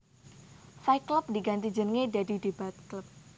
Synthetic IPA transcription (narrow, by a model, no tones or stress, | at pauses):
sajklʊp̚diɡant̪id͡ʒənŋedadidebat̪̚klʊp̚